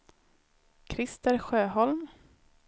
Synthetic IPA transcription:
kʰɾɪst̪əɾɧøːɦɔlm

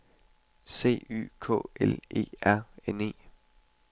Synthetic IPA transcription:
se̝̰ːy̰ːkʰɔ̰̽ːele̝̰ːæɐ̰ene̝̰ː

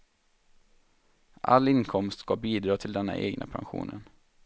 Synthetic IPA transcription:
ʔa̰lːɪnkʰɔmst̪skabiːd̪ɾɑːt̪ʰɪld̪ɛnːa̰ʔeːɡnʔapʰanɧṵːnən

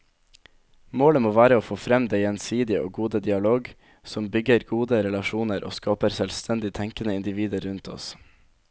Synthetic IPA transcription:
moːləmoːʋæːɾəoːfoːfɾɛmd̪eɪjɛnsiːd̪ɪəʔo̰ːɡuːd̪əd̪ɪɑloːɡ | sɔmbʏɡəɾɡuːd̪əɾɛlɑʃuːnəɾʔo̰ːskɑːpəɾsœlst̪ʰɛnd̪ɪt̪ʰɛŋkənəɪnd̪ɪʋiːd̪əɾɾʉnt̪ʰɔ̰s

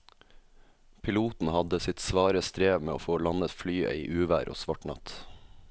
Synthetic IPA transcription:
pʰɪluːt̪n̩hɑd̪əsɪt̪sʋɑːɾəst̪ɾeːʋmeːo̰ːfoːlɑnət̪flyːə̰iːʔʉːʋæ̰ːɾʔo̰ːsʋɑʈnɑ̰t̪

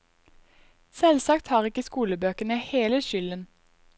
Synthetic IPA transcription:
sɛlsɑkt̪hɑːʁɪkəskuːləbøːkənəheːləʃʏlən

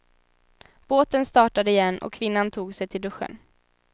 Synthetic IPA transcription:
b̥oːt̪ənst̪ɑːʈad̪əɪjɛnːɔ̰kʰːvɪnːant̪ʰuːɡsɛjt̪ʰɪld̪ɵɧːə̰n

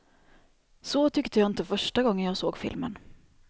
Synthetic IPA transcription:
soːt̪ʰʏkt̪ʰəjɑːɪnt̪əfœʂʈaɡɔŋːənjɑːɡsoːɡfɪ̰lmə̰n

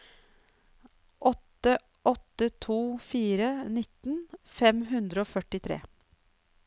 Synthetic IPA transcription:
ʔɔt̪ə | ʔɔt̪ːət̪ʰuːfiːɾənɪt̪n̩fɛmɦʉnd̪ɾəoːfœʈɪt̪ʰɾḛː

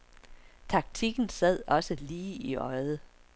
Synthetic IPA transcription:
t͡sʰɑ̈ɡ̥̚t͡sʰiɡ̥n̩sæð̞̰ˠɒ̽səliːiʔɒ̽ɪðˠə

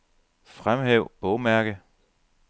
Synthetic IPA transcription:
fʁamɦeʊ̰b̥ɔ̽ʊmæɐɡ̥ə

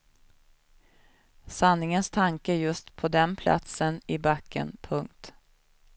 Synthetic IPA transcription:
sanːɪŋənst̪ʰaŋkəɾjɵst̪pʰɔd̪ɛnpʰlʔa̰t̪sənɪbakːə̰npʰɵŋkt̪

